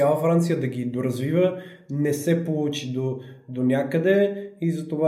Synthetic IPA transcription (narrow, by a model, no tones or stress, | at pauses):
alˠəfɾant̪sijəd̪ɐɡʲid̪oɾɐzvivə | nɛsɛpolˠut͡ʃid̪od̪onʲakəd̪ɛizɐt̪ova